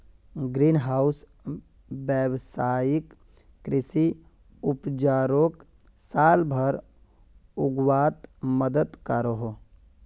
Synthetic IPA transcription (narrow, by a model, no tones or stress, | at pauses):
ɡɾinɦaːʊs | bɛwsaːjikː | ɾɪsi | ʊpd͡ʒaːɾoksaːlbʱəɾ | ʊɡwaːt̪məd̪ət̪kaɾoɦo